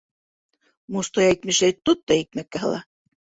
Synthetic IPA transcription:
must̪ojæjt̪mɘʃæjt̪ːut̪ːɑit̪̚mækːæɦɤ̰̆lˠɑ̰

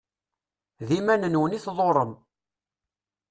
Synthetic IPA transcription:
ðimænənwəniθðˤoɾˤəm

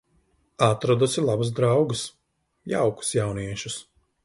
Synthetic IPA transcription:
at̪ɾɔd̪usilˠabuzd̪ɾawɡɨs | ja̰wku̥sjawniɛʃus

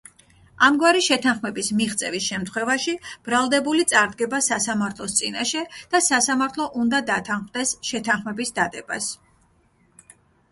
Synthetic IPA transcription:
amɡwaɾiʃɛt̪ʰanχmɛbismiχt̪sʼɛvisʃɛmt̪ʰχwɛvaʃib̥ɾalˠd̪ɛbulit̪sʼaɾd̪ɡɛbasasamaɾt̪ʰlˠɔst̪sʼinaʃɛd̪̥asasamaɾt̪ʰlˠɔʔund̪ad̪at̪ʰanχmd̪ɛsʃɛt̪ʰanχmɛbisd̪ad̪ɛba̰s

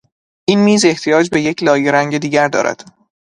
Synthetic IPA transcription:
ʔiːnmiːze̞ht̪ʰijɒːd͡ʒbe̞je̞cʰlɒːjeɾæŋɟed̪iːɟæɾd̪ɒ̰ːɾʔæ̰d̪̥

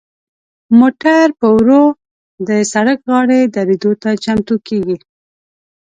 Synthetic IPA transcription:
moʈaɾpəwɾo | d̪əsaɽəkɣɑɽed̪aɾed̪ot̪at͡ʃamt̪ukeɡi

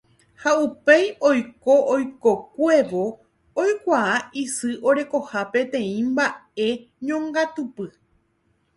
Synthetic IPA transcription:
haupe̞jo̞jkoʔojko̞kwe̞ʋo | ojkʷaaisɨʔo̞ɾe̞ko̞hape̞t̪ẽ̞ĩmbae̞ | ɲõŋɡat̪upɨ

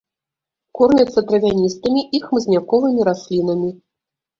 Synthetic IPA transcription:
kɔrnʲɛt̪sːɐt̪ɾɐvʲanʲist̪ɐmʲiʔixmɨzʲnʲakɔvɨmʲiɾasʲlʲin̪ɐmʲi

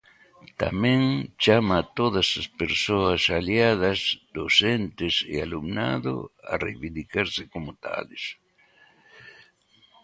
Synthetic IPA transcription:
t̪a̰mẽŋt͡ʃamɐt̪oðɐsɐspeɾsoɐsaljað̞ɐzd̪osent̪ɪsɪ̰alumna̰ðo̰ɐ̰rḛjβind̪ikaɾsɪkomʊt̪a̰les

